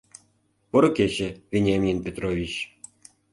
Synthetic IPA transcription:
poɾŏket͡ɕɘ̆vʲenʲamʲinpʲet̪rovʲit͡ɕ

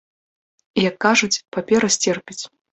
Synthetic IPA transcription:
jakːaʐut͡sʲpapʲɛɾɐsʲt͡sʲerpʲit͡sʲ

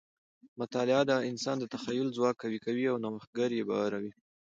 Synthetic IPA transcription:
mʊt̪ɑlɪad̪aɪnsɑnd̪ət̪axajʊlzwɑk̚ːawikawiawnaməx̚ɡəɾjebɑ̰waɾawi

